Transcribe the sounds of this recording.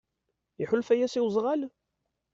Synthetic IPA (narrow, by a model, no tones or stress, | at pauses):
iħʊlfæjæsiwzˤʁæl